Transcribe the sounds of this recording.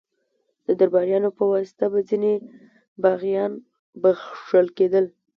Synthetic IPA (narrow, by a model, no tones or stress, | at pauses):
d̪̥əd̪aɾbɑɾjɑnopəwɑsɪ̥t̪abad͡zine | baɣjɑn | bəxʂəlked̪əl